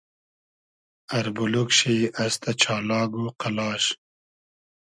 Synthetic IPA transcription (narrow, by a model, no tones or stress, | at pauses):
ɐɾbulukɕiɐst̪ʰɐt͡ɕʰaːlɑːɡuqɐlɑːɕ